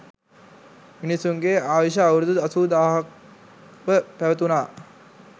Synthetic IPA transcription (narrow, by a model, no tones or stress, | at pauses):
minisːuŋɡeːaːʋeʃ̬aːwɾud̪ud̪ɐsud̪aːɦɐk̚ | ʋəpæʋət̪unaː